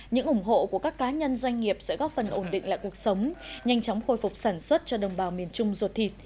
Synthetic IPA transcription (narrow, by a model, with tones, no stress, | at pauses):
ɲɨ̰˧˥ŋʔʊ˧˩ŋ͡mɦo̰˧˨ku˧˩əkaː˦˥kːaː˨˦ɲə˧nzwa˧jŋ̟ŋi˨˩əp̚sɛ̰˧˥ɣɔ˦˥t̚fə˨˩nʔo˧˩nɗḭ˧˨ŋla̰ː˧˨jku˨˩ək̚sə˨˦wŋ͡mɲa˧jŋ̟t͡ɕɔ˨˦wŋ͡mxo˧jfʊ˨˩k͡p̚saː˧˩nswə˦˥t̚t͡ɕɔ˧ɗə˨˩wŋ͡mɓaː˨˩wmi˨˩ənt͡ɕʊ˧ŋ͡mzu˨˩t̚t̪ʰi˨˩t̚